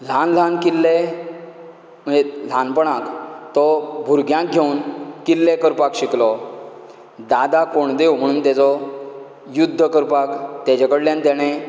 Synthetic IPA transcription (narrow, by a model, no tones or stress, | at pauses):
l̤anl̤ankilːe | m̤əel̤ãnpəɽãkt̪ɔbʱuɾɡjãk̚ɡʱeunkilːekəɾpakɕiklɔ | d̪ad̪akoɳd̪ewm̤əɽ̃uːnt̪at͡sɔ | jud̪ʱːəkəɾpakt̪jat͡ɕakəɽljãnt̪ɛɽ̃e